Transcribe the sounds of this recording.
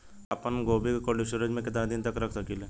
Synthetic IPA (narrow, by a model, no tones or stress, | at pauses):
ɐpənɡoːbikkoliʃʊɾəd͡ʒmẽkɪt̪ənad̪ɪnt̪ɐkɾɐkʰsɐkiːle